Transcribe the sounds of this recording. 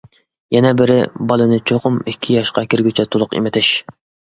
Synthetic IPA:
jɛnɛbɪɾɪbɑlˠɨnɨt͡ʃʰoqʊmikʲʰːijɑʃqɑkʲiɾɡʲyt͡ʃʰɛt̪ʰolˠʊqḭmɪt̪ʰɪʃ

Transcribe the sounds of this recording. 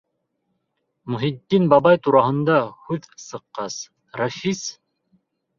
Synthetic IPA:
mɵɦid̪ːinbɑβɑjt̪uɾɑɦɤ̆nd̪ɑhʉðsɤ̆qːɑs | rɑfis

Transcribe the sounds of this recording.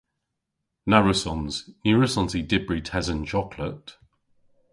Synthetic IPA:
naɹəsɔ̃nz̥njʉːɹəsɔ̃nzidɪbɹitʰɛzə̃nd͡ʒɒkʰlət

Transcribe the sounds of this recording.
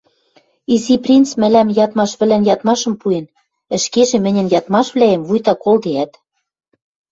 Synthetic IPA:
iziprʲint͡smɘ̆læmjɑt̪mɑʃβɘ̆lænjɑt̪mɑʃɤ̆mpuen | ɘ̆ʃkeʒĕmɘ̆nʲɘ̆njɑt̪mɑʃβlæemvujt̪ɑkolˠd̪eæt̪

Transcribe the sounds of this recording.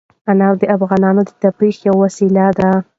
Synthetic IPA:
anawd̪əafɣɑnɑnod̪ət̪apɾixjawːasilad̪a

